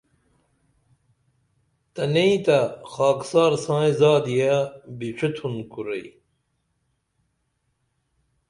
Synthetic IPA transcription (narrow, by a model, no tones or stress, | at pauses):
t̪ɐneit̪ɐxaːksaːɾsãːĩzaːd̪ijabiʂit̪ʰunkuɾḛj